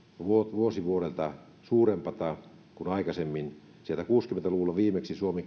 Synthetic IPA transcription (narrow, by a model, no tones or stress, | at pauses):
ʋuot̪ʋuosiʋuolelt̪ɑ | suːrempɑt̪ɑ | kunɑikɑsemːin | sielt̪ækuːskyment̪æluʋulːɑʋiːmeksisuome